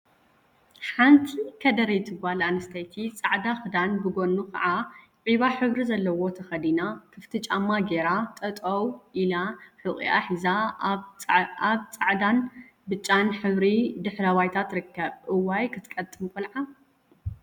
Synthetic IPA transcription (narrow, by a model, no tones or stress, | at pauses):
ħant̪ʰikʰɐd̪ɐɾejt̪ʰɨɡbalanɐst̪ʰɐjt̪ʰit͡sʼaʕd̪axɨd̪anbɨɡo̞nːukʰɐ̰ʕa | ʕiβaħɨβɾizɐlːɐwo̞t̪ʰɐxɐd̪inakʰɨft̪ʰɨt͡ʃʼamːaɡeɾat̪ʼɐt̪ʼɐwʔilaħɨʔʼḭʔa̰ħiza | aβt͡sʼaʕd̪an | bɨt͡ʃʼːanħɨβɾid̪ɨħɾɐβajt̪ʰat̪ɾɨkʰːɐβʔɨwajkʰɨt̪ʰkʼɐt̪ʼːɨmkʰolʕa